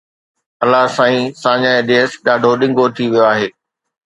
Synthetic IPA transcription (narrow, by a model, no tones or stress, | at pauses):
ɐlaɦsãːĩsãːɲãeɗeːsɗaːɖʱoɗɪ̃ŋɡʱot̪ʰiʋijoaːɦeː